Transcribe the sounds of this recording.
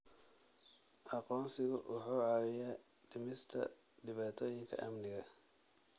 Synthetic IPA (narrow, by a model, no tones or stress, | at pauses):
ʔɑqɔːnsɪɣʊʔʊħuːʕɑwɪjaː | ɖɪmɪst̪ʰɐ̰ | dɪβaːt̪ʰɔːjɪŋkʰɐ̰ʔɐmnɪɣɐ